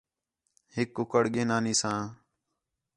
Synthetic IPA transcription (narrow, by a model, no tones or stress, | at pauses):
hɪkːʊkəɽɠeːnaːniːsãː